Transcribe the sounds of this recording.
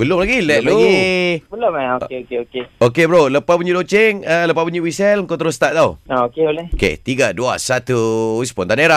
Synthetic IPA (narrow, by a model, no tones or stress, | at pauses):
bəlʊmlaɡilɛt̪̚loɡibəlomɛokeokeokeokebɾoləpapuɲidot͡ʃeŋələpapuɲiwisɛlŋkot̪əɾʊst̪aʔ̚t̪auaokeolɛhokḛt̪iɡadua̰sat̪uispɔnt̪aneɾa